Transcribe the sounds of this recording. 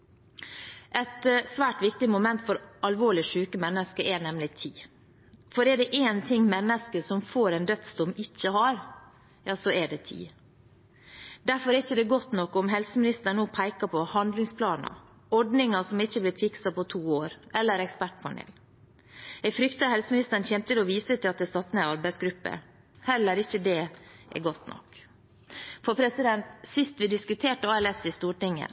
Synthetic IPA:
ʔɛt̪sʋæːʈʋɪkt̪ɪmʊmɛnt̪fɔɾɑlʋoːɭɪʂʉːkəmɛnːəskəʔɛɳɛmlɪt̪ʰiː | fɔɾɛɖɛʔeːnt̪ʰɪŋːmɛnːəskəsɔmfoːɾɛnd̪œt̪st̪ʊmɪçːəhɑɾ | jɑːsɔɛɖɛt̪ʰḭː | d̪æɾfɔɾɛɾɪçːəd̪ɛɡɔt̪nɔkːɔmɦɛlsəmɪnɪst̪əɳoːpʰæɪkɑpʰɔhɑnd̪lɪŋspʰlɑːnɑ̰ | ɔɖnɪŋɑsɔmɪçːəblɪt̪fɪksɑpɔt̪ʰuːoːɾʔɛlːəɾɛkspæʈpʰɑnḛːl | ɛɡfɾʏkt̪ɑhɛlsəmɪnɪst̪ən̩çɛnp̪t̪ɪlɔʋiːsət̪ʰɪlɑt̪̚d̪ɛsɑt̪ːnɛɑɾbæɪsɡɾʉpːə̰ | hɛlːəɾɪçəd̪ɛʔɛ̰ɡɔt̪nɔ̰kː | fɔɾpʰɾɛsɪd̪ɛnt̪sɪst̪ʋɪd̪ɪskʉt̪ʰeːʈəɑːɛlɛsɪst̪uːʈɪŋə̰

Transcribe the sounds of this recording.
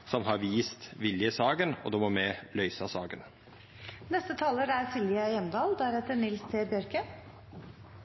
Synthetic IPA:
sɔmɦɑɾʋiːst̪ʋɪljəsɑːɡənɔ̰d̪ɔmɔmɛlœʏsɑsɑːɡən | nɛst̪ət̪ʰɑːləɾæɾsʰɪlɪəjɛmd̪ɑːld̪ææɾheːt̪ənɪlst̪ʰɪbjœɾkə

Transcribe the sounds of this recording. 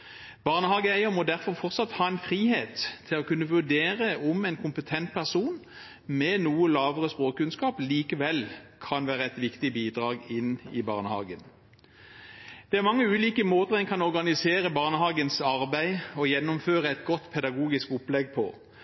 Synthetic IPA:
b̥ɑʁnəhɑːɡəæɪəmɔd̪æʁfɔʁfɔʁt̪sɑt̪hɑːɛɪnfʁiːheːt̪ʰːɪlɔkʉnːəʋʉʁd̪eːʁəɔmɛɪnkʰʊmpət̪ʰɛnt̪̚pʰæʁsuːn | mɛnuːəlɑːʋəʁəspʁoːkkʉnskɑːpliːkəʋɛlkʰɑnʋæːʁəɛt̪ʋɪkt̪ɪbiːd̪ʁɑːɡɪnɪ̰bɑ̰ʁnəhɑ̰ːɡən | d̪̥ɛæʁmɑŋːəʉːliːkəmoːt̪əʁɛɪnkʰɑnɔʁɡɑnɪseːʁəbɑʁnəhɑːɡənsɑʁbæɪɔjɛnːʊmføːʁəɛt̪ɡɔt̪ːpʰɛd̪ɑɡuːɡɪskʊplɛɡpʰɔ̰

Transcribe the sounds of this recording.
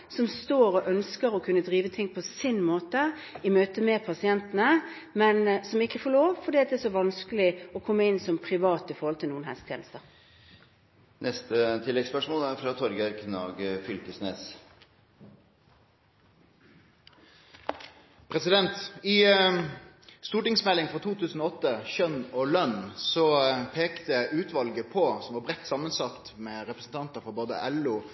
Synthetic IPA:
sɔmst̪oːɾɔʔœnskəɾɔkʰʉnːəd̪ʁiːʋət̪ʰɪŋːpʰɔsɪnmoːt̪ə | ɪmøːt̪əmɛpʰɑsɪɛnt̪ənəmɛnsɔmɪkːəfoːɭoːʋfɔɖ̪iːɑt̪̚d̪ɛæːʂɔʋɑnskəlɪɔkʰɔmːəɪnsɔmpʰʁɪʋɑːt̪ɪfɔɾʁhɔlt̪ʰɪlnuːənhɛst̪ʰjḛːnəst̪əʁ | nʔɛst̪ət̪ʰɪlːɛɡspœʂmoːlæɾfɾɑt̪ʰɔɾɡəɾkʰnɑ̰ːɡəfʏlk̪əsneːs | pʰʁɛsɪd̪ɛnt̪ɪ | st̪uːʈɪŋsmɛlɪŋfʁɑt̪ʰuːt̪ʰʉːsn̩ɔːɔt̪ːəçœnɔːlœnsɔpʰeːkt̪əʉːt̪ʰʋɑlɡəpʰɔsɔmʋɑːbʁɛtt̪ːsɑmənsɑt̪meːɾɛpɾəsn̩t̪ʰɑnt̪əfɔʁboːd̪ə̰ʔɛluː

